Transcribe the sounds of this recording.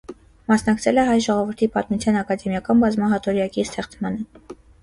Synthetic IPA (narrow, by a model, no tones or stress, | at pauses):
mɑsnɑkt͡sʰɛlɛɦɑjʒɔʁɔvuɾt̪ʰipɑt̪mut͡sʰjɑnɑkɑd̪ɛmjɑkɑnbɑzmɑɦɑt̪ɔɾjɑkist̪ʰɛχt͡smɑnə